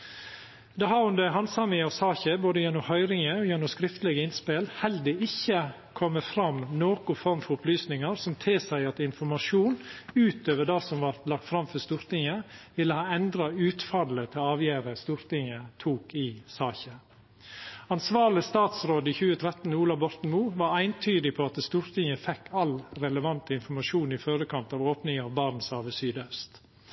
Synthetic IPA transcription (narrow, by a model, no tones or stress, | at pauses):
d̪ɛɦɑːʊnd̪əɦɑnsɑmɪɑsɑːçəboːd̪əjɛnːʊmhœʏɾɪŋəɔjɛnːʊmskɾɪft̪əlɛɡəɪnspɪlhɛld̪əɪçːə | kʰɔmːəfɾɑmːnoːkʊfɔɾmfɔɾʊplyːsnɪŋɑɾsɔmt̪ʰɪsæɪɑt̪ɪnfɔɾmɑʂuːnʉːt̪øːʋəɖɑːsɔmʋɑɾt̪lɑk̚t̪fɾɑmfœst̪uːɾt̪ɪŋəʋɪlːəhɑːɛnd̪ɾɑʉːt̪fɑd̪lət̪ʰɪlɑːʋjæːɾəst̪uːɾt̪ɪŋət̪ʰuːkɪsɑːçə | ɑnsʋɑːɭɪst̪ɑːt̪sɾoːd̪ɪçʉːət̪ʰɾɛt̪ːnuːlɑbɔɾt̪n̩muːʋɑɾæɪnt̪ʰyːd̪ɪpʰɔɑt̪st̪uːɾt̪ʰɪŋəfɛkːɑlɾɛləʋɑnt̪əɪnfɔmɑʂuːnɪføɾəkʰɑnt̪ɑːʋoːpnɪŋɑʋbɑɾn̩sɑːʋəsyːd̪œst̪